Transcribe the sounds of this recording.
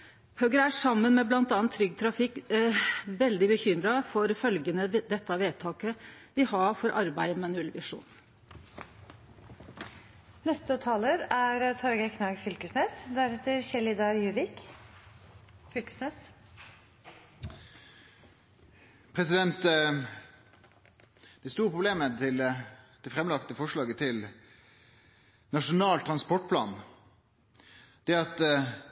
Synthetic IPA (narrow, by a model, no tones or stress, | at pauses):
høːɡəɾæʂɑmːənmeːblɑnt̪ɑːnt̪ʰːɾʏɡt̪ʰɾɑfɪkː | ʋɛld̪ɪbəçʏmɾɑfɔɾfœlɡənəd̪ɛt̪ːɑʋeːt̪ʰɑːkəʋ̪ɪhɑɾfɔɾʔɑɾbæɪmɑnʉɛlʋɪʂṵːn | nɛst̪ət̪ʰɑːləɾæɾət̪ʰɔɾɡəkʰnɑːɡfʏlkəsnɛsd̪æɾɛt̪əɾçɛlɪd̪ɑɾjʉːʋɪk | fʏlkə̥snɛs | pʰʁɛsɪd̪ɛnt̪ | d̪̥ɛst̪uːʁəpʰʁʊbleːmət̪ʰɪld̪̥ɛfɾɛmlɑkt̪əfɔʂɭɑːɡət̪ʰɪl | nɑʂʊnɑːlt̪ʰɾɑnspɔʈ̚pʰlɑ̰ːn | d̪̥ɛɑt̪